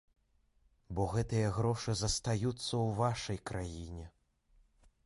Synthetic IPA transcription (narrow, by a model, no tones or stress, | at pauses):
bɔɣɛt̪ɨjɐɣɾɔʂɨzɐst̪ajut̪sːɐwvaʂɐjkɾʔajinʲɛ